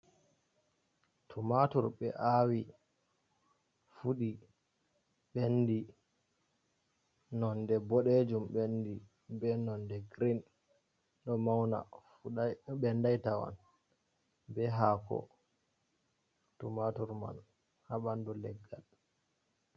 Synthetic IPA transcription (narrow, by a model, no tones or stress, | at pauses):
tʰumatuɾɓɛʔawi | fuɗi | ɓendi | nɔndɛbɔɗed͡ʒumɓendi | bɛnɔndɛɡɾin | ɗɔmawna̰ | ɓɛndajtawa̰n | bɛɦakɔ̰ | tumatuɾma̰n | haɓandulɛɡːal